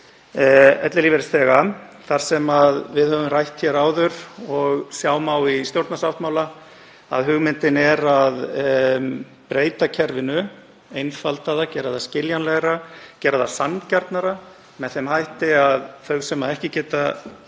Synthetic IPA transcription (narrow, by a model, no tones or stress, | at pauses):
ɛt̪lɪlivɛɾɪst̪θɛːɣaθaɾ̥sɛmaðvɪðhœvʏmrajht̪çɛɾaːwðʏɾ̥ɔɣsjaːwmawist̪jowɾt̪nasaft̪mawla | a̰ðɦʏɣmɪnt̪ɪnɛɾað | pɾeːjt̪acʰɛɾvɪnʏ | ejnfalt̪aðacɛːɾaðascɪljanlɛɣɾacɛːɾaðasancaɾt̪naɾa | mɛðθɛmhajht̪ɪaðθœɥɣsɛmːaðɛhcɪcɛːt̪a